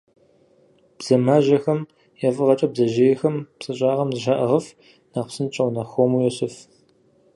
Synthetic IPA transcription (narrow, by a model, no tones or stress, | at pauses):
b̥z̥ɐmaːʒɐxɐm | jafɨʁɐt͡ʃʼɐbzɐʒeːjɛxɐmpsʼɨɕʼaːʁɐmzɨʒɐʔɐʁɐf | naːqʷsɨnt͡ʃʼɐwnɐxʷomuːjɛɕɪf